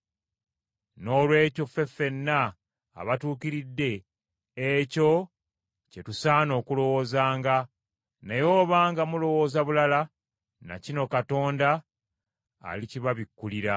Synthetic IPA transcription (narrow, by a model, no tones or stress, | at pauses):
no̞ːlwe̞ːco̞fe̞fːe̞nːa̰ː | βatuːkiɾidːe̞ː | co̞ | cetusaːno̞ːkulo̞wo̞ːzaːŋɡa | najo̞ːβaːŋɡamulo̞wo̞ːzaβulala | na̰cino̞kato̞ːndaː | liciβaβikːuliɾa